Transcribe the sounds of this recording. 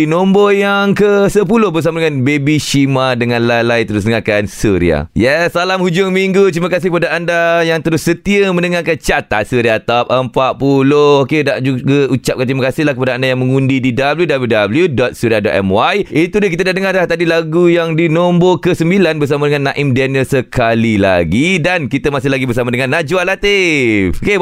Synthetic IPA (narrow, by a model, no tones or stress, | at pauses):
inõmbojaŋkəsəpulʊhbərs̬amadəŋãnbebiʃimadəŋãnlalajt̪əɾʊs̬dnəŋakansuɾḭa̰jɛsːalamhud͡ʒʊŋmiŋɡut̪ɾimakasɪhkəpadaːndajaŋt̪əɾʊsːət̪iəmə̃nəŋakat͡ʃat̪a̰t̪suɾiat̪ap̚əmpaʔpulohokedaʔd͡ʒuɡaut͡ʃap̚kant̪ɾimakasɪhlahkəpadaːndajaŋməŋũndididabəljudabljudabəljudɔt̪̚suɾiadɔ̰t̪̚ɛ̰mwajit̪udahk̬it̪adadəŋarlaht̪adilaɡujaŋdinombokəsəmbilanbərs̬amadəŋãnːãʔɪmdɛnəsəkalila̰ɡidankit̪əmasɪhlaɡibərsamadəŋãnːad͡ʒualat̪ɪfoke